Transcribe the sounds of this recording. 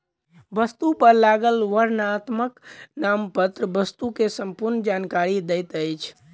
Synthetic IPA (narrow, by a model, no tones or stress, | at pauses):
bəst̪upəɾlaɡəlʋəɾnat̪məknampət̪ɾəbəst̪ukesəmpuɾnd͡ʒankaɾid̪ɛjt̪əjt͡ʃʰ